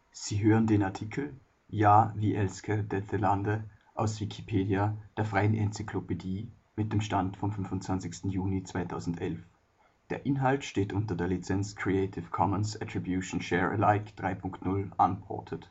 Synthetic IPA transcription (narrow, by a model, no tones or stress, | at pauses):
z̥iːɦøːʁəndeːnaɐtʰiːkʰl̩ | jaːviːʔɛlskʰədɛtəlandəʔaʊsv̥ikʰipʰeːdiad̥eːɐfʁ̥aɪənʔɛnt͡sikʰlopediː | mɪt̚d̥eːmʃtantfɔmfʏnvʊntt͡sv̥ant͡sɪçstn̩juːnit͡sv̥aɪtʰaʊzn̩tʔɛlf | d̥eːɐʔɪnɦaltʃteːtʔʊntɐdeːɐlit͡sɛnt͡skʰʁ̥ieɪtʰɪfkʰɔmənsɛtʁ̥ibjuʃn̩ʃɛːʁə̰laɪkd̥ʁaɪpʰʊŋktnʊlʔa̰npɔ̰ɐtʰət